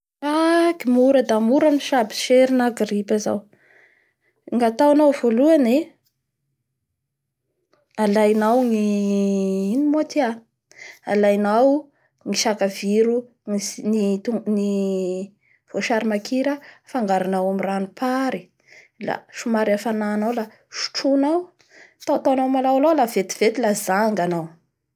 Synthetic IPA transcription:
akimuɾəd̪amuɾamiʃabi̥ʃeɾinaɡripaza̰w | ŋat̪awanawvoluane | alajnawŋi | inimoat̪ia | a̰lajnaw | ŋiʃakaviɾu | nini | v̥oʃaɾimakʰiɾəfaŋɡaɾanawamiranupʰaɾi | la̰ʃumaɾafanaːnawla | ʃu̥ʈ͡ʂunaw | t̪awt̪anamalawalawlavet̪i̥v̥et̪ilazaŋɡanaw

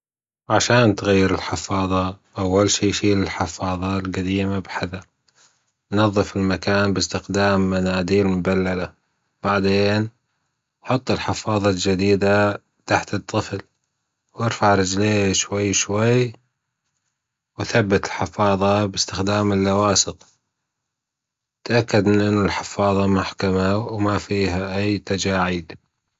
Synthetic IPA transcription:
ʕaʃaːnt̪ɣajːɪɾɪlħɪfɑːðˤɑʔawːalʃiːʃiːlɪlħɪfɑːðˤɑlqad̪iːmabħaða | nɑðˤːɨfɪlmakaːnbɪst̪ɪxd̪aːmːanaːd̪iːmʊbalːala | b̥aʕd̪eːn | ħʊt̪ˤːɪlħɪfɑːðˤɑld͡ʒad̪iːd̪a | t̪aħt̪ɨt̪ˤːɨfl | wʔɪɾfaʕɾˤɪd͡ʒleːʃwajːʃwaj | waθabːat̪ɪlħɪfɑːðˤɑbɪst̪ɪxd̪aːmɪlːawɑːsɨq | t̪ʔakːad̪ɪʔɪnːʊlħɪfɑːðˤɑmʊħkamawmafiːɦaʔajːt̪ad͡ʒaːʕiːd̪

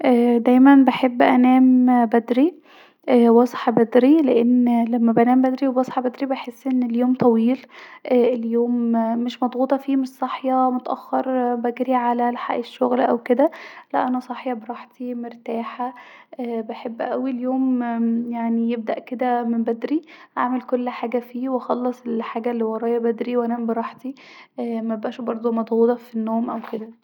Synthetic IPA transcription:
ʔæːd̪æjmænbeħebːʔænæːmbæd̪ɾi | ʔwɑsˤħɑbæd̪ɾileʔenːlæmːæbʔænæːmbæd̪ɾiwewɑsˤħɑbæd̪ɾibeħesːʔenːeljoːmt̪ˤɑwiːlʔæːeljoːmːeʃmɑd̪ˤɣuːt̪ˤɑfiːmesˤːɑħjɑmot̪æʔæxːɑɾˤbæɡɾiʕalælħa̰ʔeʃːoɣlʔæwked̪ælæʔænæsˤɑħjɑbeɾˤɑħt̪imoɾt̪aːħaʔːbeħebːʔæwiljoːmjaʕnijeb̚d̪æʔked̪æmembæd̪ɾiʔa̰ʕmelkolːħaːɡæfiːwexɑlːɑsˤelħaːɡælːiwɑɾˤɑːjɑbæd̪ɾiwʔænæmbeɾˤɑħt̪iʔmæebʔæːʃbɑɾˤd̪ˤomɑd̪ˤɣuːt̪ˤɑfinːoːmʔæwked̪æ

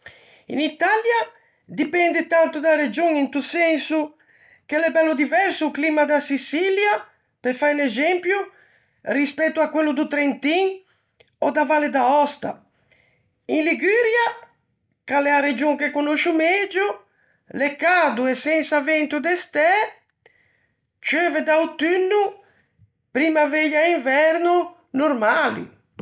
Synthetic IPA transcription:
ḭnit̪alja | d̪ipɛnd̪et̪ant̪ud̪aɾed͡ʒoŋint̪usɛnsu | kɛlɛbɛlːud̪ivɛɾsuːklimad̪asisilja | pefajnɛzɛmpju | rispɛt̪ːuakːwɛlːud̪ut̪ɾent̪iŋ | ɔd̪avaled̪aɔst̪a̰ | inliɡyɾja | kalɛaɾed͡ʒoŋkekonoʃumɛd͡ʒu | lɛkːad̪uɛsɛnsavɛnt̪ud̪ɛst̪ɛ | t͡ʃøvɛd̪awt̪ynːu | pɾiːmavejaiɱvɛɾnu | noɾmalḭ

